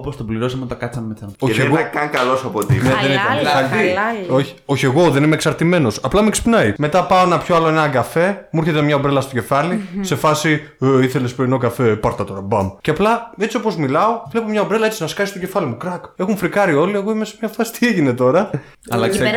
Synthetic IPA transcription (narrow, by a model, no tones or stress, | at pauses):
opost̪obliɾo̞s̬ɐmeot̪ɐkɐt͡sɐnmesɐnoeeɣɐkɐŋkɐlo̞sɐpot̪ḭneðenit̪ɐnɐioçi̥oçie̞ɣo̞ðe̞nimeːksɐɾt̪ime̞no̞sɐplɐmeksi̥pnɐime̞t̪ɐpɐoenɐpço̞ɐloeenɐɡɐfe̞muɾçet̪emɲɐobɾelɐst̪o̞ce̞fɐlise̞fɐsi | eiθe̞lespeɾino̞kɐfe̞pɐɾt̪ɐt̪o̞ɾɐbɐmceɐplɐe̞t͡sio̞po̞zmilɐo̞vle̞pomɲɐobɾelɐet͡sinɐskɐsistoce̞fɐlimukɾɐke̞xuɱfɾikɐɾio̞lieɣo̞imesemɲɐft̪ɐsi̥t̪ieʝine̞t̪o̞ɾɐ | ɐlɐ